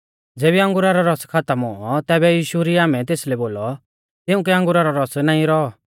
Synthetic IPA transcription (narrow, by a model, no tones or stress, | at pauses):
d͡zeːbiɐ̃ŋɡʊɾaɾɔɾɔskʰat̪əmɔ̃ɔt̪ɛːbɛjiːʃuɾiaːmɛt̪eːslɛboːlɔ | t̪ɪʊ̃kɛɐ̃ŋɡʊɾaɾɔɾɔsnãːĩɾɔɔ